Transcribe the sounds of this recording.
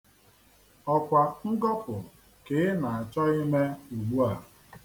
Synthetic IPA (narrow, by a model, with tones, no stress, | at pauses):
ɔ˨kʷa˨ŋ̩˦ɡɔ˦pʊ˨ | ke˨˦na˨a˨t͡ʃɔ˦ɪ˦me˦u˨ɡ͡bu˦a˨